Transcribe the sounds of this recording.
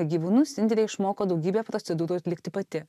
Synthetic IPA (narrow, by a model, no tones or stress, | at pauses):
ɡʲiːʋuːnʊsɪnʲd̪ʲɛlʲɛɪɪʃmoːkoːd̪ɒʊɡʲiːbʲeːpɾot̪sʲɛd̪uːɾuɐt̪ʲlʲɪkt̪ʲɪpɐt̪ʲɪ